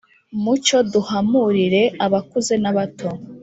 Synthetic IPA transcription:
mut͡ʃo̞duhamuɾiɾe̞aβakuze̞naβato

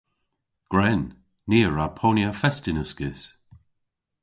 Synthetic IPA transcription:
ɡ̥ɹɛnː | iːɹapʰonjəfɛstɪnəskɪs

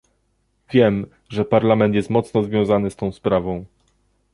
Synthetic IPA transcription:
vʲjɛm | ʐɛpaɾlamɛnt̪jɛst̪mɔt̪snɔzvʲjɔ̃w̃zanɘst̪ɔ̃w̃spɾavɔ̃w̃

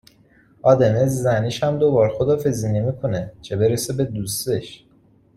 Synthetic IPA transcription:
ʔɒːd̪e̞nezzæniʃhæmd̪obɒːɾxod̪ɒːfe̞ziːnemikʰonet͡ʃʰe̞be̞ɾesebe̞d̪ust̪eʃ

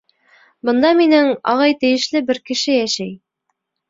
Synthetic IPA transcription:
bɤ̆nd̪ɑminɘŋɑ̰ʁɑjt̪ɘ̆jɘ̆ʃlɘbɘɾkɘ̆ʃɘjæʃæj

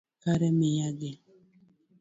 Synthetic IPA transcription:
kaɾɛmɪjaɡe

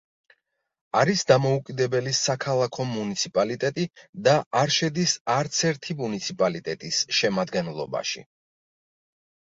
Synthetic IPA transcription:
aɾisd̪amɔukʼid̪ɛbɛlisakʰalˠakʰɔmunit̪sʰipʼalit̪ʼɛt̪ʼid̪aʔaɾʃɛd̪isaɾt̪sʰɛɾt̪ʰimunit̪sʰipʼalit̪ʼɛt̪ʼisʃɛmad̪ɡɛnlˠɔ̰ba̰ʃḭ

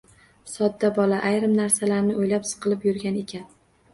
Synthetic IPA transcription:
sɒd̪ːabɒlaʔajɾɪmnaɾsalaɾnɪojlapsɨ̥qʰɨlˠɪpjʊɾɡʲane̞kʲʰan

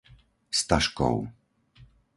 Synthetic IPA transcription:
st̪aʃkɔ̰w

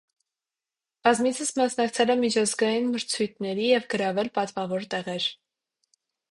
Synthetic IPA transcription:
b̥ɑzmit͡sʰəsmɑsnɑkt͡sʰɛlɛmit͡ʃʰɑzɡɑjinməɾt͡sʰujt̪̚ʰnɛɾijɛvɡəɾɑvɛlpɑt̪vɑvɔɾt̪ɛʁɛɾ

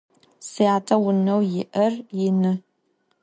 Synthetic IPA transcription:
siatʰɐwʊnɐwjɪʔɐrjɪnɨ

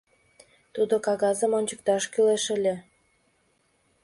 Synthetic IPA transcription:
t̪ud̪okɑɣɑzə̆monʲt͡ɕə̆k̚t̪ɑʃkyleʃə̆lʲĕ

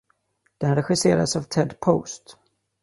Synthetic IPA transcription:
d̪̥ɛnɾɛɧɪseːɾa̰savt̪ʰɛd̪pʰo̰ːst̪

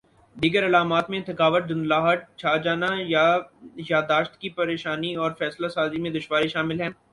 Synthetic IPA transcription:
d̪iːɡəɾɐlaːmaːt̪mẽt̪ʰɐkaːʋəʈ̪̚dʊnlaːɦəʈ̚t͡ʃʰaːd͡ʒaːnajajaːd̪aːʃt̪kipɐɾeːʃaːniɔːɾfɛːslasaːzimẽd̪ʊʃʋaːɾiʃaːmɪlɦɛ̃ː

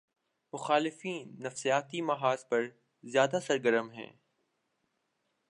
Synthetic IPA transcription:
mʊxaːlɪfiːnːɐfsijaːt̪imɐɦaːzpɐɾ | zjaːd̪asɐɾɡəɾəmɦɛ̰̃ː

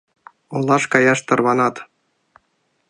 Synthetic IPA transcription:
ŏlˠːɑʂkɑjɑʂt̪ɤ̆rβɑnɑt̪

